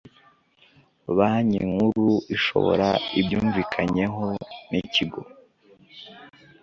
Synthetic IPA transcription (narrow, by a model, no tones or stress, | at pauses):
βaɲiŋhuɾuiʃo̞̰βo̞̰ɾaibɟuːɱvikʰaɲe̞ɦoniciɡo̞